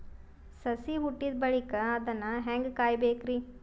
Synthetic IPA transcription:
sɐsiuʈːid̪bɐɭikɐːd̪ɐnːɐɦɛŋɡkaːjbeːkɾi

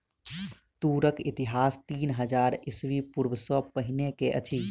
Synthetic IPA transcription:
t̪uɾəkit̪iɦast̪iːnɦəd͡ʒaɾisʋipuɾbəsəpəɦinekeʔə̰t͡ʃʰi

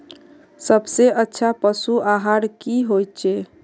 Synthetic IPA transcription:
səbseətːʃʰapəsuaɦaɾkiɦojt͡ʃʰe

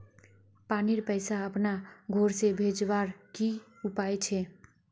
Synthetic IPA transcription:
paniɾpəɪsaəpnaɡʱoɾsebʱed͡ʒbaɾki | upajt͡ʃʰɛ

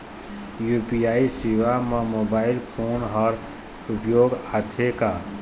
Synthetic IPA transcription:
juːpijaːisɪʋamãmoːbaːɪlpʰoːnɦɔːɾ | ʊpjoːɡat̪ʰekaː

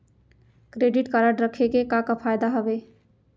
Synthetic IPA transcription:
kɾeɖiʈkaɾəʈɾəkʰekekakapʰajd̪aɦəbe

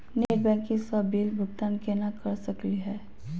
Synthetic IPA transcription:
nebɛ̃ŋkĩsabilbʱʊɡt̪ankenakɐɾsəkliɦɛː

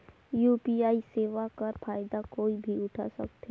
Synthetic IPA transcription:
juːpiaːiseːʋakɐɾfaːɪd̪akoːibʱiʊʈʰa̰sɐ̰kt̪ʰe

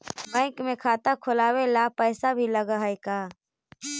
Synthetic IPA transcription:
bɛ̃ːŋkmẽkʰaːt̪akʰʊlaːwelapɛːsabʱiləɡaɦekaː

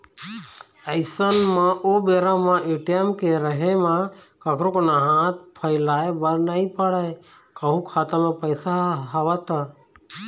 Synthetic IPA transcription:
əɪsənmãʔoːbeːɾamãʔeːʈijəmkeɾəɦemã | kəkʰɾokonaɦãt̪̚pʰəɪlaːebəɾnaipəɽaj | kəɦũkʰaːt̪amãpəjsaɦəʋat̪a

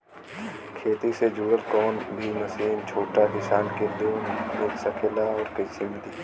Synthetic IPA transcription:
kʰeːt̪ised͡ʒuːɽəlkɔːnbʱiməsiːnt͡ʃʰoːʈakɪsaːnked̪uːneːksəkʰelaɔːɾkəisɪmd̪iː

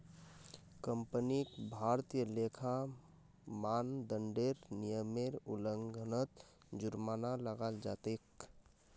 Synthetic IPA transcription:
kəmpənikbʱaɾt̪ijəlekʰa | maːnd̪əɳɖeɾnijəmeɾṵləŋɡʱənət̪ | d͡ʒʊɾmaːnaləɡald͡ʒa̰ːt̪ek

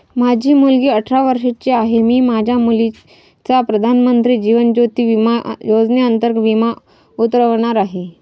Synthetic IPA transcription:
mad͡ʑʱiːmulɡiːəʈʰɾaʋəɾʂet͡ɕiaɦemiːmad͡ʑʱjamuli | t͡sapɾəd̪ʱanmənt̪ɾiːd͡ʑiʋənd͡ʑot̪iːʋimajod͡znjeənt̪əɾɡʋima | ut̪ɾəʋɳ̃aɾaɦe

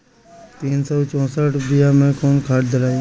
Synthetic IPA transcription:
t̪iːnsɔːt͡ʃɔ̃ːsaːʈʰbɪjaːmẽːkoːnkʰaːʈd̪ʱəɾaːi

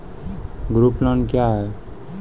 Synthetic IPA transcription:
ɡɾuplɔnkjaɦɛ

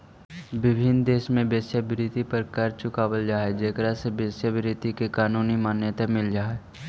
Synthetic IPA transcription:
ʋɪbʱɪnd̪eːʃmẽbeːsjəbɾɪt̪ipəɾkɐɾt͡ʃʊkaːbəld͡ʒaːɛd͡ʒekɾasebeːsjəbɪɾɪt̪ikekaːnuːnimaːnjət̪amɪld͡ʒaːe

